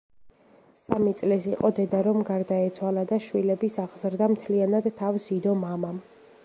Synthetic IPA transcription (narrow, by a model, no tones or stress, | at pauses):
samit̪sʼlisiqʼɔd̪ɛd̪aɾɔmɡaɾd̪aɛt̪sʰwalad̪aʃwilɛbisaʁzɾd̪amt̪ʰlianad̪t̪ʰːafsid̪ɔmamam